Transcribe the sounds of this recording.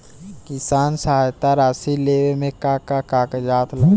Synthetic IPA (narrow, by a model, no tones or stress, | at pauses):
kɪsaːnsəɦaːjt̪aɾaːsileːwemẽkakakaːked͡ʒaːt̪lə